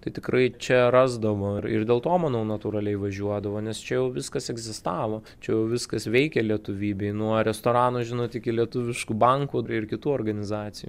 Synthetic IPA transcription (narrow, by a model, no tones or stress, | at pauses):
t̪ɐɪt̪ʲɪkɾɐɪt͡ʃʲɛrɑːzd̪ɐʋoːɪrɪ̰rd̪ʲeːlˠt̪oːmɐnoʊnɐt̪uːɾɐlʲɛɪʋɐʒʲuɔd̪ɐʋoːnʲɛst͡ʃʲɛjɛʊʋʲɪskɐsɛɡzʲɪst̪ɑːʋoː | t͡ʃʲɛjɛʊʋʲɪskɐsʋʲɛɪkʲɛlʲiɛt̪ʊʋʲiːbʲɛɪnuɔɾʲɛst̪oːɾɑːnoʒʲɪnoːt̪ɪkʲɪlʲiɛt̪ʊʋʲɪʃkubɐŋkuɪrkʲɪt̪uːoːrɡɐnʲɪzɑːt̪sʲɪjṵ